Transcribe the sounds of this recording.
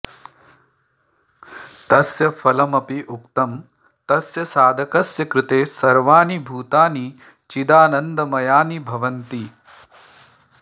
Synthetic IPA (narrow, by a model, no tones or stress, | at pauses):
t̪ɐsjɐfʰɐlɐmɐpiʔuk̚t̪ɐm | t̪ɐsjɐsaːd̪ʱɐkɐsjɐkɾɪt̪eːsɐɾʋaːnibʱuːt̪aːni | t͡ʃid̪aːnɐnd̪ɐmɐjaːnibʱɐʋɐnt̪i